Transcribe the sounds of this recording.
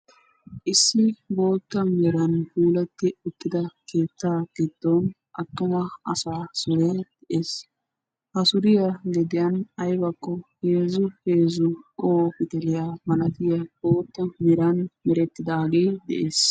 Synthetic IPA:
ʔɪsːɪbo̞ːt̪ːɐmɛɾɐnpuːlɐt̪ːɪʊt̪ːɪd̪ɐke̞ːt̪ːaːɡɪd̪̥ːon | ʔɐt̪ːʊmɐɐsaːsɔɾed̪̥ɛʔeːs | hɐsʊɾɪjɐɡɛd̪ɪjɐnɐjbɐkːɔheːzʊheːzʊkʼoːpɪt̪ɛlɪjamɐnɐt̪ɪjɐboːt̪ːɐmɛɾɐnmɛɾɛt̪ːɪd̪aːɡeːd̪ɛ̰ʔeːs

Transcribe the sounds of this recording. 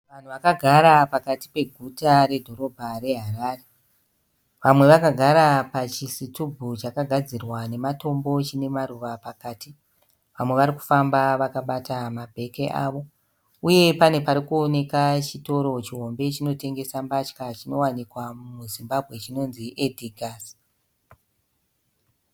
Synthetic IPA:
ʋan̤uʋakaɡʱaɾapakati̥pe̞ɡʱutaɾe̞dʱo̞ɾo̞bʱare̞ɦaɾaːre | ʋamwe̞ʋakaɡʱaɾapat͡ʃisitubʱut͡ʃakaɡʱad͡zirwane̞mato̞mbo̞t͡ʃine̞maɾuʋapakaːti | ʋamwe̞ʋaɾiku̥fambaʋakaɓatamabʱe̞ke̞ʔa̰ʋo̞ | uje̞pane̞paɾikuone̞kat͡ʃito̞ɾo̞t͡ʃiɦo̞mbe̞t͡ʃino̞te̞ŋɡe̞sambat͡ʃkat͡ʃino̞wanikwamuzimbabʱɣe̞t͡ʃino̞nziʔediɡʱaːs

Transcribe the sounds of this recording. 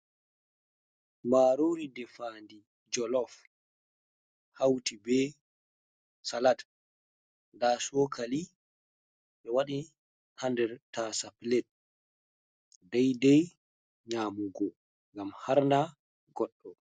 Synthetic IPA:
maːɾoɾidɛfandi | d͡ʒɔlɔf | hawtibɛ | salat | ndasɔːkʰali | ɓɛwaɗi | handɛɾtasaplɛt̚ | dajdɛj | ɲaːmuɡɔ | ŋɡamhaɾnda | ɡɔɗːɔ

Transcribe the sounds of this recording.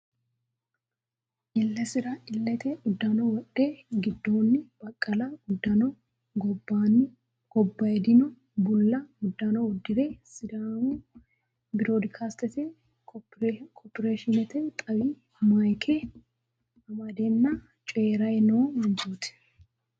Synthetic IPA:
ʔɪlːɛsɪɾɐɪlːɛt̪ɛʊd̪ːanɔwɐɗːeːɡɪd̪ːoːnːɪb̥ɐkʼːɐlɐʊd̪ːɐnɔ | ɡɔbːaːnːɪ | ɡ̥ɔbːɐjɛd̪ɪnʊ | bʊlːɐʊd̪ːanɔwɔd̪ːɪɾeːsɪɾa | bɪɾoːd̪ɪkʰaːst̪ɛt̪ɛ | kʰopɪɾeːʃɪnɛt̪ɛt̪ʼɐwi | majkʰɛ | ɐmɐd̪enːɐ | t͡ʃʼɔeːɾɐjnoːmɐnd͡ʒuːt̪ɪ̥

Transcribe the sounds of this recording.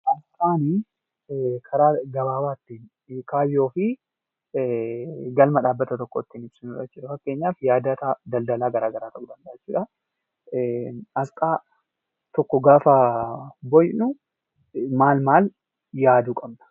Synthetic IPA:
ʔɐskʼaːni | kʰɐɾaːɡɐbaːbaːt̪ːiːn | kaːbɪjo̞ːfɪ | ɡɐlmɐᶑaːbːɐt̪ɐt̪ɔkːot̪ːiːnɪb̥sɪnuᶑɐt͡ʃːɪːᶑɐfɐkːe̞ːɲːaːfjaːd̪ɐt̪ɐd̪ɐld̪ɐlaːɡɐɾaːɡɐɾaːt̪ɐʔʊd̪ɐnd̪ɐʔɐt͡ʃːɪːᶑɐ | ɐskʼaː | t̪ɔkːɔɡaːfɐ | bɔjnʊ | maːlmaːl | jaːd̪uːkʼɐbnɐ̥

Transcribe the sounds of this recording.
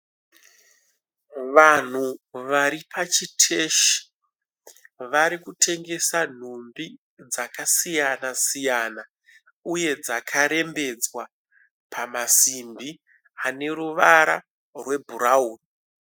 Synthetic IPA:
ʋan̤uʋaɾipʰat͡ʃitʰe̞ːʃi̥ | ʋaɾikutʰe̞ŋɡe̞san̤umbi | d͡zakasijanasijana | uje̞d͡zakʰaɾe̞mbe̞d͡zwa | pʰamasimbi | ane̞ɾuʋaɾa̰ | rwe̞bʱuɾauːn

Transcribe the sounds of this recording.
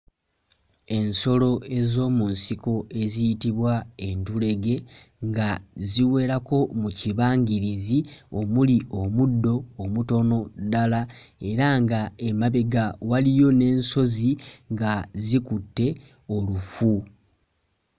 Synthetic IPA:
e̞nso̞lo̞e̞zo̞ːmunsiko̞e̞zijitiβwae̞ntule̞ɡe̞ | ŋɡaziwe̞ːɾako̞muciβaːɲɡiɾizio̞muliʔo̞mudːo̞ːmuto̞no̞dalae̞ɾaŋɡae̞maβe̞ɡawalijo̞ne̞ːnso̞ziŋɡazikutːe̞ | o̞lufu

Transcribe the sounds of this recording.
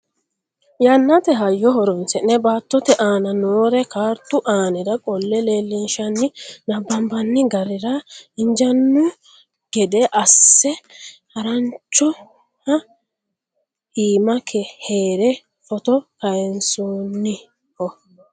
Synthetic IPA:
janːɐt̪ɛɦɐjːɔhɔɾɔnsɛnɛbaːt̪ːɔt̪ɛʔaːnɐnoːɾɛkaːɾt̪ːʊʔaːnɪd̪ɐkʼɔlːɛle̞ːlːɪnʃɐnːɪnɐbːɐmbɐnːɪɡɐɾɪɾɐɪɲd͡ʒɐnːʊ | ɡ̥ɛd̪ɛʔɐsːɛhɐɾɐnt͡ʃːɔ | hɐ | iːmɐkʰɛheːɾɛ | fɔt̪ɔkɐjɛnsuːnːɪ | hɔ

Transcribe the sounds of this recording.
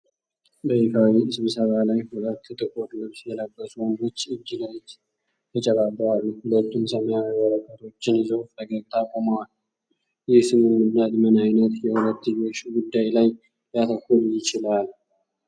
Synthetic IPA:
bəjikʰawiɨsɨβsəβalajhulət̪ːɨt̪ʼɨkʼoɾlɨβsjɛləbːəsuwənd̪ot͡ʃːɨd͡ʒːiləwt͡ʃː | t̪ʰət͡ʃʼɛβabəalːuhulət̪ːumsəməjawβəɾəkʰʼːəɾo̞t͡ʃːɪnɪzəwfəɡəɾt̪ʰakʼoməwal | jɪhsɨmːɨmːɨnːad̪mənajnət̪jɛhulət̪ːɨjoʃɡud̪ːajlaj | jat̪ʰəkːuljɪt͡ʃɪlal

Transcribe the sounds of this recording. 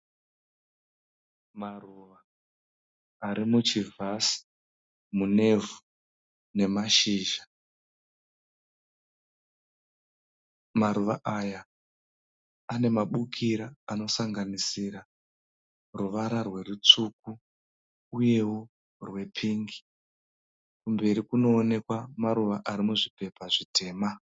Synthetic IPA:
maruʋa | ɾimut͡ʃivʱasi̥ | mune̞vu | ne̞maʃiːʒa | maɾuʋaʔaja | ane̞maɓukʰiɾaːno̞saŋɡanisiɾa | ruʋaɾarwe̞rut͡suk̚u | uje̞wo | rwe̞pʰiŋɡi̥ | kumbe̞ɾikuno̞ːne̞kwamaɾuʋaʔaɾimuʐipe̞paʐite̞ːma

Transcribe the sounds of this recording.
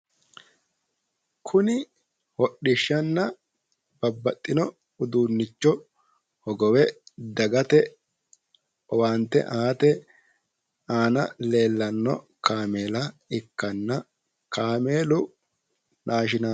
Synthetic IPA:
kʰʊnɪ | wɔɗɪʃːɐnːɐ | b̥ɐbːɐt̪ʼːɪnɔ | ʊd̪uːnːɪt͡ʃːɔ | hɔɡɔwɛd̪ɐɡɐt̪ɛ | ɔwaːnt̪ːɛ̰ʔaːt̪ɛ | aːnɐ̰leːlːɐnːɔ̰ | kaːme̞ːlɐɪkːɐnːɐ | kʰaːmeːlʊ | nʔaːʃɪna

